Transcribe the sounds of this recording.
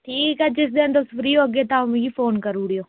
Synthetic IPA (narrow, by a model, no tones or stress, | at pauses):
ʈʰiːkɦɛːd͡ʒɪsd̪eənd̪əsfʰɾiːoːəɡeːt̪ãːm̃ːɡiːfʰoːnkəɾuːɽijoː